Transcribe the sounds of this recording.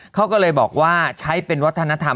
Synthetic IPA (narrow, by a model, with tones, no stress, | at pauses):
kʰa˦˥wkɔː˥˩lɤː˧jbɔ̰ː˨˩k̚waː˥˩t͡ɕʰa˦˥jpe˧nwa˦˥t̪ʰːa˧na˦˥t̪ʰa˧